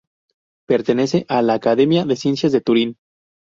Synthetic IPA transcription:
pe̞ɾt̪ene̞se̞ʔalaːkaðe̞mjaðe̞sje̞nsjazðet̪uɾin

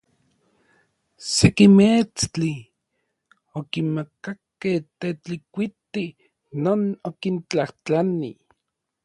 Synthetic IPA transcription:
sekimet͡st͡ɬi | okinmakakːeht̪et͡ɬikʷit̪i | noːnokint͡ɬaht͡ɬanḭ

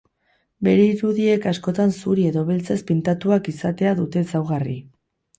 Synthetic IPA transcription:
be̞ɾeiɾuðie̞kasko̞t̪ansuɾie̞ðo̞βe̞lt͡se̞spint̪at̪uakisat̪e̞aðut̪e̞sawɣ̞ari

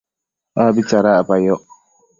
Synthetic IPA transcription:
abit͡ʃaɾaabajɔ

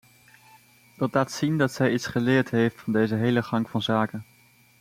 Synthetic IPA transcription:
d̥ɑtlaːtsindɑtsɛjitsχəlɪːɹtɦejftfɑndejzəɦejləχɑŋkfɑnzaːkən

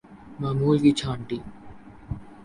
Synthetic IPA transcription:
mamuːlkit͡ʃʰaːɳʈi

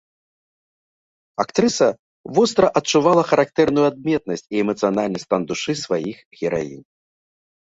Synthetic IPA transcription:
akt̪ɾɨsɐ | vɔst̪ɾɐʔɐt̚t͡ʂːuvalˠɐxɐɾak̚t̪ɛrnujuad̪̚mʲɛt̪̚nɐsʲt͡sʲiɛmɐt̪sɨjanalʲnɐsʲt̪and̪uʂɨsvajixɣʲɛɾa̰jḭn

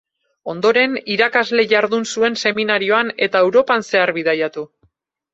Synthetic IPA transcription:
o̞nd̪o̞ɾe̞niɾakazle̞ʝaɾðunsue̞nse̞minaɾio̞ane̞t̪ae̞wɾo̞panse̞aɾβiðajat̪u

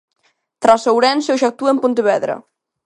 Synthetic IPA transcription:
t̪ɾasawɾɛnsowʃak̚t̪uempunt̪eβɛðɾɐ̰

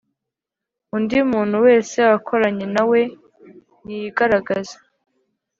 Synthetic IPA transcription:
undiumuːn̥huwe̞ːsewakʰo̞ɾaɲe̞nawe̞ | nijiɡaɾaɡazḁ

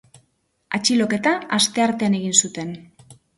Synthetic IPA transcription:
at͡ʃilo̞ke̞t̪aast̪e̞aɾt̪e̞ane̞ɣ̞insut̪e̞n

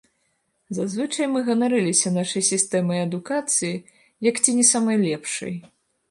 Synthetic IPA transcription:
zazvɨt͡ʂɐjmɨɣɐnaɾɨlʲisʲɐnaʂɐjsʲist̪ɛmɐjɐd̪ukat̪sɨji | jɐkt͡sʲinʲɛsamɐjlʲɛpʂɐ̰j

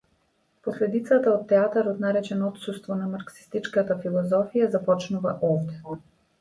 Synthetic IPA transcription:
poslɛd̪it̪sat̪aot̪ːɛat̪aɾɔt̪naɾɛt͡ʃɛnɔɔt̪sust̪vɔnamaɾksi̥st̪it͡ʃkat̪afilˠɔzɔfijazapɔt͡ʃnuva̰ʔɔvd̪ɛ

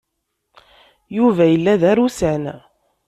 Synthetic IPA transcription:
juvæjəlːæðæɾusæn

